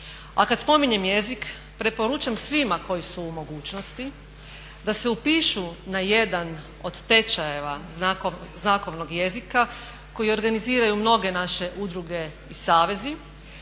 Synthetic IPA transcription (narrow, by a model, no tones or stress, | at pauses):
akad̪spo̞miɲe̞mje̞zik | pɾe̞po̞ɾut͡ʃamsʋimako̞jisuːmo̞ɡuːt͡ʃno̞st̪i | d̪aseupiːʃunaje̞d̪an | o̞d̪t̪e̞t͡ʃajeʋanakoznako̞ʋno̞ɡje̞zika | ko̞jio̞ɾɡaniziːɾajumno̞ɡe̞naʃe̞ʔud̪ɾuɡe̞ | isaːʋe̞zi